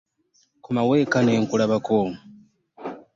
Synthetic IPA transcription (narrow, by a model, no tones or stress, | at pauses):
kumawekaneːŋkulaβakoːmu